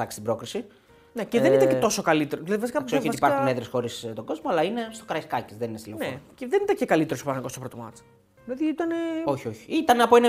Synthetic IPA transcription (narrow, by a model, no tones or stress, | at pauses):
ɐksi̥st̪bɾo̞kɾisi | ne̞ceðeniɐ̃et̪o̞so̞kɐlit̪eɾoðilɐðivɐsikɐsioiɐst̪ipɐɾxuneðɾesxo̞ɾist̪o̞ɡo̞zmoɐlɐine̞st̪okɾɐiskɐcezðeninest̪ilenneceðe̞nit̪ɐɲcekɐlit̪eɾospɐnɐŋɡo̞sopɾot̪o̰mɐ̰t͡s | ðilɐðiit̪ɐneoçioçi̥it̪ɐnɐpoenɐ